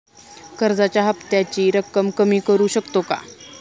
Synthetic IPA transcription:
kəɾd͡zat͡ɕjaɦəpt̪jat͡ɕiːɾəkːəmkəmiːkəɾuːɕəkt̪oka̰

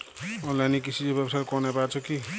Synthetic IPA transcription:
ɔnlajnikisʰid͡ʑebjebʌsaɾkɔnapat͡sʰʌki

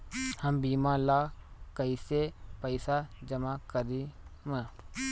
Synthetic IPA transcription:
həmbiːmãlaːkəisepəɪsad͡ʒəmakəɾimə̃

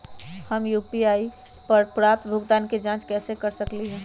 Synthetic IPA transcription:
həmjuːpiaːi | pəɾpɾaːp̚t̪bʱʊɡd̪aːnked͡ʒãːt͡ʃkɛːsekəɾsəkliɦɛː

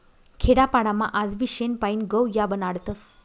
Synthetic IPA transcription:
kʰeɽapaɽama̰ʔad͡zbiɕenpaiːnɡəwjabənaɽt̪əs

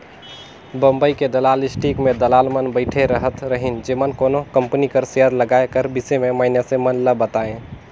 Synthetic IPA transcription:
bəmbəjked̪əlalisʈikmed̪əlalmənbəɪʈʰeɾəɦət̪ɾəɦind͡ʒemənkonokəmpnikəɾseəɾləɡaekəɾbisememainesẽmənləbət̪aẽ

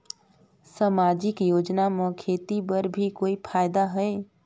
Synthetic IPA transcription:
samaːd͡ʒɪkjoːd͡ʒnamə̃kʰeːt̪ibəɾbʱikoːipʰaːjd̪aɦɛe

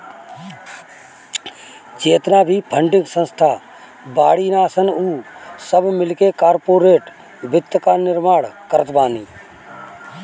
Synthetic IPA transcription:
t͡ʃeːt̪naːbʱiːpʰə̃ɳɖɪ̃ŋɡsə̃nst̪ʰaː | baːɽiːnaːsənuːsəbmɪlkekaːɾpoːɾeːʈ | ʋɪt̪ːəkaːnɪɾmaːɽkəɾət̪baːniː

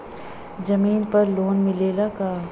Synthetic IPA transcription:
d͡ʒɐmiːnpɐɾloːnmɪleːlakaː

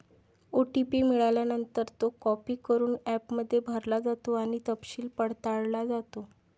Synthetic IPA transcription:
oʈipiːmiɭajljanənt̪əɾt̪okɔpiːkəɾuːnæpməd̪ʱːjebʱəɾlad͡zat̪oaɽ̃it̪əpɕiːlpəɽt̪aɭlad͡zat̪o

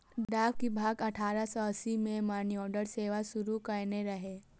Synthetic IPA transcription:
ɖɖaːbkibʱaːɡɐʈʰaːɾasɔəsimẽmaːniɔːɾɖəɾseːʋasʊɾukɐɾneɾɐɦeː

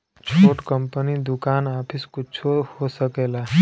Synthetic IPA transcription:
t͡ʃʰoːʈkə̃mpənid̪ʊkaːnaːpʰɪskʊt͡ʃʰohosəkeːlaː

